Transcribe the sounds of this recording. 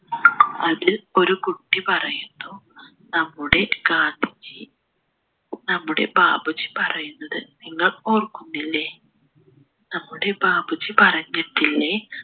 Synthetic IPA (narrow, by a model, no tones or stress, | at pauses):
ɐðilo̞ɾukuʈːipɐrɐjunːu | nɐmːuɽe̞kaːt̪it͡ɕːɨ | nɐmːuɽe̞̰baːbut͡ɕːi̥pɐrɐjunːɐðɨniŋːɐɭoːrkːunːilːe | nɐmːuɽe̞baːbut͡ɕːipɐrɐɲːɐt̪ːilːe